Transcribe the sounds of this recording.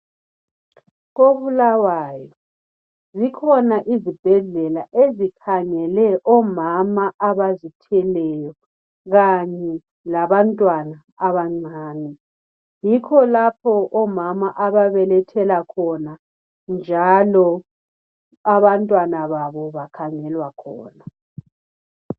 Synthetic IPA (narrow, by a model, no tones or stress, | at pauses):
ɣoβulawaːjɔ | zikʰɔnaʔizib̥ʱɛɮɛlaʔezikʰaŋɛlɛʔɔmamaʔaβazitʰɛlɛjɔ | ɣaɲɛ | laβantʼwana | aβaŋ͡ǀaːni | jikʰɔlapʰɔʔɔmamaʔaβaβɛlɛtʰɛlakʰɔna | nd͡ʒʱalɔ | aβantʼwanaβaβɔβakʰaŋɛlwakʰɔ̰ːna